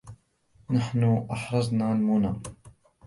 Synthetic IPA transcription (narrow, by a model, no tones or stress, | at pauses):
naħnʊʔɑħɾˤɑzˤnalmuna